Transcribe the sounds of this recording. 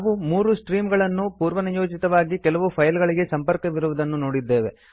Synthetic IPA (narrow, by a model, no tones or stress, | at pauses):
ʋumuːɾusʈɾiːmɡɐɭɐnːupuːɾʋɐnijo̞ːd͡ʒit̪ɐʋaːɡikɛlɐʋupʰɐjlɡɐɭiɡe̞sɐmpɐɾkɐʋiɾuʋud̪ɐnːuno̞ːɽid̪ːe̞ːʋe̞